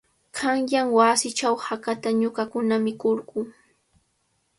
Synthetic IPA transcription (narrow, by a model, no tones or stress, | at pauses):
kʰaŋjaŋwasɪt͡ʃawhakat̪aɲʊɢakʊnamɪkoɾɢʊː